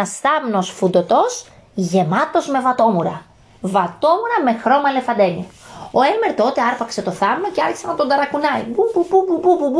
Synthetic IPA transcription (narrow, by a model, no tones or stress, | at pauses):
ɐsθɐmno̞sfud̪o̞t̪o̞s | ʝe̞mɐt̪o̞zme̞vɐt̪o̞muɾɐ̰ | vɐt̪o̞muɾɐme̞xɾo̞mɐle̞fɐnd̪e̞nioo̞e̞lme̞ɾt̪o̞t̪e̞ɐɾpɐkse̞t̪o̞θɐmnɐce̞ɐɾçi̥senɐt̪ond̪ɐɾɐkunɐḭbubububububub